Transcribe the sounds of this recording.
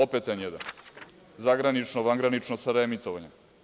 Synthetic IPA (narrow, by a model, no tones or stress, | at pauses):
opet̪enjed̪a̰n | zaɡɾanit͡ʃnoʋaŋɡɾanit͡ʃnosaɾeemit̪oʋaɲe